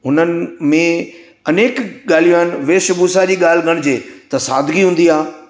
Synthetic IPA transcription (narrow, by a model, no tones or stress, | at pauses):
ɦʊnənɪ̆mẽ | ɐneːkɠaːl̤ijoɦɪnɪ̆ʋeːʃʊbusad͡ʑiːɠaːl̤ɪɡʱəɽ̃d͡ʑeːt̪ɐsaːd̪ʱɡiɦũːn̆d̪iaː